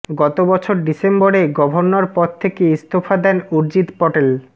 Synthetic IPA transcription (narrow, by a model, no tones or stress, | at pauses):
ɡɔt̪obɔt͡ɕʰoɾɖisemboɾeɡɔbʱoɾnːoɾpɔd̪̚t̪ʰekeist̪ʰofʰad̪ɛnuɾd͡ʑit̪pɔʈel